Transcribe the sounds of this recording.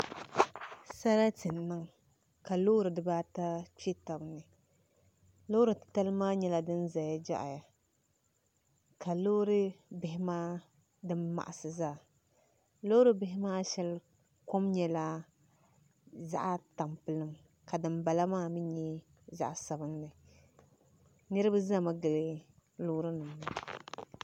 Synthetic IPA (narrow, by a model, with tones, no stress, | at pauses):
sa˦la˦tɨ˨nː˨ɨ˦ŋ | ka˨loː˦ɾɨ˨dɨ˨baː˦ta˦t͡ʃe˦ta˨bnɨ˨ | lo˦ɾɨ˨tɨ˨ta˦lɨ˦maː˦ɲɛ˦la˨dɨ˦nza˨ja˦d͡ʒa̰˦ʔja˨ | ka˨loː˦ɾɨ˦bɪ˨hɪ˦maː˦ | dɨ˦mːa̰˨ʔa˨sɨ˨zaː˦˨ | lo˦ɾɨ˦bɪ˦ɦɪ˦maː˦ʃɛ˦l | ko˦mɲɛ˨˦la˦ | za̰˦ʔa˦ta˨mpɨ˨lɨ˦m | ka˨dɨ˨mba˨la˦maː˦mɨ˦ɲɛ˦ | za̰˦ʔsa˨bɨ˦nnɨ˨ | nɨ˦ɾɨ˦bɨ˦za˦˨ma˦ɡɨ˨lɨ˦ | loː˦ɾɨ˦nɨ˨mna˨